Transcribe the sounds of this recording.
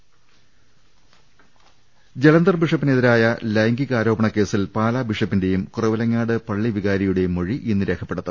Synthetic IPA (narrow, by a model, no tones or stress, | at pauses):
d͡ʑe̞lɐnd̪ɐrbiʂɐpːineðiɾaːjɐlɐjŋɡiɣaːɾo̞ːbɐɳɐkːe̞ːsilpaːlaːbiʂɐpːinde̞jumkurɐʋɐlɐŋːaːɽɨpɐɭːiʋiɣaːɾɐjuɽe̞jumːoɻiʔinːɨɾe̞ːkʰɐpːe̞ɽɐt̪ːɐ